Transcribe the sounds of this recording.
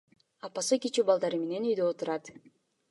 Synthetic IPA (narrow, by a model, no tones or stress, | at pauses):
ɑpɑsɯkʲit͡ʃubɑlˠd̪ɑɾɯme̞ne̞nyjd̪øot̪uɾɑt̪